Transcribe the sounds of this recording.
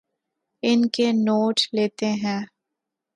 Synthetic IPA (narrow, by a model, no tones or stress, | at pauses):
ɪnkenoːʈleːt̪eɦɛ̃ː